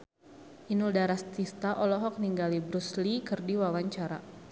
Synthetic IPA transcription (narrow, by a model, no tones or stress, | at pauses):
ʔinuldaɾast̪ist̪aʔɔlɔɦɔk̚niŋɡalibɾuslikɨrdiwawaɲt͡ʃaɾa̰